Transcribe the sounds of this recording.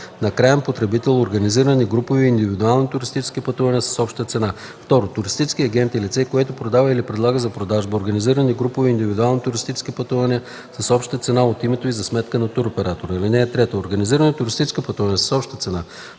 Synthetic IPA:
nɐkɾajəmpot̪ɾɛbit̪ɛlˠoɾɡɐniziɾəniɡɾupoviːnd̪ivid̪ualˠnit̪ʊɾist̪it͡ʃɛ̥skipɐt̪uvɐniəsɐ̥sɔpʃt̪ət̪sɛna | ft̪ɔɾot̪ʊɾist̪it͡ʃɛskʲiɐɡɛnt̪ilit̪sɛkoɛt̪ʊpɾod̪avəilipɾɛd̪lˠaɡəzɐpɾod̪aʒbəoɾɡɐniziɾəniɡɾupʊviind̪ivid̪ualˠnit̪ʊɾist̪it͡ʃɛ̥skʲipɐt̪uvɐniə | sɐsɔpʃt̪ət̪sɛnaot̪imɛt̪oizɐsmɛt̪kənɐt̪uɾopɛɾat̪oɾəilinɛːt̪ɾɛt̪ooɾɡəniziɾənt̪ʊɾist̪it͡ʃɛ̥skəpɐt̪uvɐniəsə̥sɔpʃt̪ət̪sɛna

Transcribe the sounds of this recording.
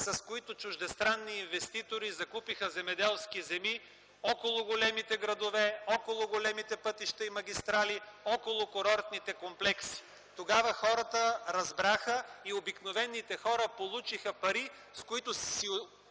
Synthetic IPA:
sɐskoit̪ʊt͡ʃʊʒd̪ɛst̪ɾanːiːnvɛst̪it̪oɾizɐkupixəzɛmɛd̪ɛlˠskizɛmi | ɔkolˠʊɡolɛmit̪ɛɡɾɐd̪ovɛɔkolˠʊɡolɛmit̪ɛpɤt̪iʃt̪ɐimɐɡ̟ʲist̪ɾaliɔkolˠʊkoɾɔɾt̪nit̪ɛkomplɛksi̥ | t̪oɡavəxɔɾət̪əɾɐzbɾaxəiobiknovɛnːit̪ɛxɔɾəpolˠut͡ʃixɐpɐɾi | skoit̪ʊsi

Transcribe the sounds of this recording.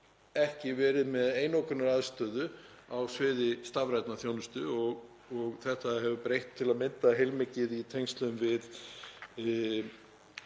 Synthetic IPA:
ɛhcɪvɛːɾɪðmɛðeːjnowkʏnaɾaðst̪œːðʏ | awsvɪːðɪst̪avɾajt̪naθjownʏst̪ʏɔɣ | ɔɣθɛht̪aɦɛvʏpɾejht̪ʰːɪlaðmɪnt̪aɦejlmɪcɪðit̪ʰejnst̪lœðʏmvɪð

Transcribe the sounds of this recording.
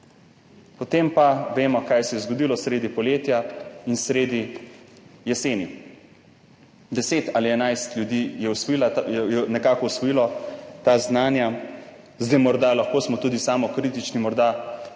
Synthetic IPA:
pɔt̪empaʋeːmɔkajsɛjɛzɡɔd̪ilɔsɾeːd̪ipɔljeːt̪jainsɾeːd̪i | jɛseːni | d̪ɛseːt̪aːliɛnajst̪lʲjud̪ijɛusilajɛnɛkaːkɔusʋɔjiːlɔt̪aznaːnja | zd̪ɛjmɔɾd̪alaxkoːsmɔt̪uːd̪isaːmɔkɾiːt̪it͡ʃnimɔɾd̪a

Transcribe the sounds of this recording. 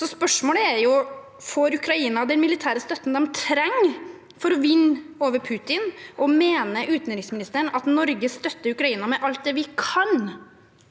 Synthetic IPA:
sɔspœʂmoːləæɾjʊ | foːɾʉkɾɑiːnɑd̪ɛnmɪlɪt̪ʰæːɾəst̪œt̪ːn̩d̪ɛmt̪ʰɾɛŋː | fɔɾɔʋɪnːoːʋəɾpʰʉːt̪ɪnʔɔmeːnəʔʉːt̪nɾɪŋsmɪnɪst̪əɳɑt̪nɔɾɡəst̪œt̪ːəɾʉkɾɑiːnɑmɛʔɑlt̪̚d̪ɛʋɪkʰɑn

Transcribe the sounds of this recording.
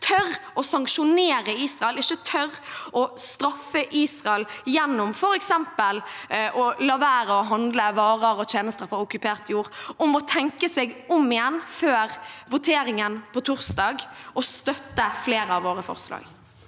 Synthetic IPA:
t̪ʰœɾʔɔsɑŋkʃʊneːɾəiːsʁɑɛlɪçət̪ʰœɾʔɔst̪ɾɑfːəʔiːsʁɑɛljɛnːʊmfɔɾɛksɛmpəlʔɔlɑːʋæːɾəɔɦɑnd̪ləʋɑːʁəɾɔt̪ʰjeːnəst̪əɾfɔɾʊkʉpeːʁt̪juːɾʔɔmɔt̪ʰɛŋkəsɛɡɔmɪjɛnːføːɾʋʊt̪ʰeːɾɪŋənpʰɔt̪ʰʊʁsd̪ɑːɡʔɔst̪œt̪ːəfleːɾəɑʋoːɾəfɔ̰ʁslɑ̰ːɡ

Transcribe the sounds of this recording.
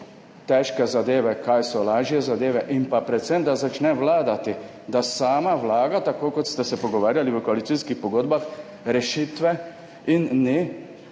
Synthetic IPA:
t̪ɛʃkɛzad̪eːʋɛkajsɔlaːʒjɛzad̪eːʋɛʔinpapɾɛt̪sɛmd̪azat͡ʃnɛʋlaːd̪at̪i | d̪asaːmaʋlaːɡat̪akoːkot̪st̪ɛsɛpɔɡɔʋaːɾjaliʋəkoalit̪siskixpɔɡoːd̪bax | ɾɛʃit̪ʋɛ | inːi

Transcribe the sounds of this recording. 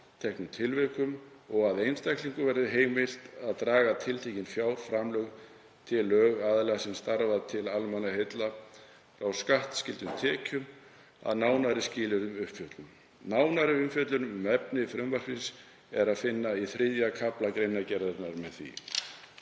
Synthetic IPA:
t̪ʰɛhknʏmt̪ʰɪlvɛkʏmɔɣaðejnst̪ajhkliŋkʏvɛɾðɪɦeːjmɪl̥t̪aðt̪ɾaːɣat̪ʰɪlt̪ʰecɪnfjaːwfɾamlœɣ | t̪ʰɪlœːɣaðlɛɣasɪnst̪aɾvaðt̪ʰɪlalmanahejt̪la | fɾawskaht̪scɪlt̪ʏmt̪ʰɛːcʏm | a̰ðnaːwnaɾɪscɪːlʏɾʏmʏhpfjœt̪lʏm | naːwnaɾɪʏmfjœt̪lʏnʏmʏmɛpnɪfɾʏmvar̥ins | ɛɾaðfɪnːaiθɾɪðjakʰaplakɾejnacɛɾðʏɾt̪naɾmɛðθḭ

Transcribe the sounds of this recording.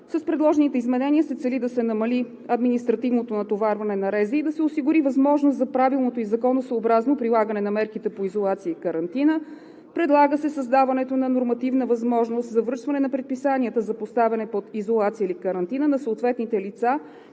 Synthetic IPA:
sɐspɾɛd̪lˠɔʒɛnit̪ɛizmɛnɛniəsɛt̪sɛlid̪ɐsɛnɐmɐli | ɐd̪minist̪ɾɐt̪ivnot̪onɐt̪ovaɾvɐnɛnɐɾɛzəːd̪ɐsɛʊsiɡʊɾivɐzmɔʒnost̪zɐpɾavilˠnot̪oizɐkɔnosəobɾaznopɾilˠaɡənɛnɐmɛɾkit̪ɛpoizolˠat̪sijəikəɾɐnt̪inə | pɾɛd̪lˠaɡəsɛsɐzd̪avɐnɛt̪onɐnoɾmɐt̪ivnəvɐzmɔʒnost̪zɐvɾɤʃt̪vɐnɛnɐpɾɛt̪̚pisaniət̪əzɐpost̪avɛnɛpod̪izolˠat̪sijəilikəɾɐnt̪inənɐsoot̪vɛt̪nit̪ɛlit̪sa

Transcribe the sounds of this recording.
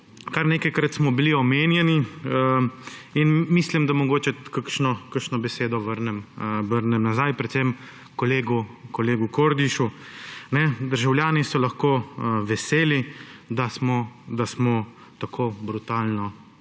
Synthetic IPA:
kaɾneːkajkɾat̪smɔbiliɔmeːnjɛni | inmislimd̪amɔɡoːt͡ʃɛkakʃnɔkəkʃnɔbɛseːd̪ɔʋəɾnɛmʋəɾnɛmnazajpɾɛt̪sem | kɔleːɡukɔleːɡukoɾd̪iʃunɛd̪əɾʒawljaːnisɔlɐxkoːʋɛseːlid̪asmɔd̪asmɔ | t̪akʰoːbɾut̪aːlnɔ

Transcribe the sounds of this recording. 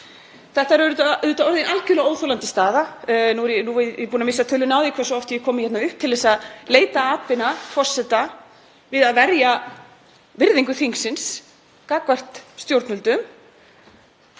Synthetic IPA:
θɛht̪aɛɾœɾʏt̪aʏːt̪aɔɾðɪnʔalcɪlɛɣoːwθolant̪ɪ̥st̪aːðanuɾjɛnuɛpunamɪsːat̪ʰʏlʏnaːwðikʰvɛsɔɔft̪ɪjɛkʰɔːmɪçɛt̪naʏhp̚t̪ʰɪlðɛːsaðleːjt̪aaːpɪnafɔr̥sɛt̪a | vɪðaðvɛɾja | vɪɾðiŋkʏθiŋksɪns | kaːkvar̥t̪st̪jowɾt̪nʏlt̪ʏm

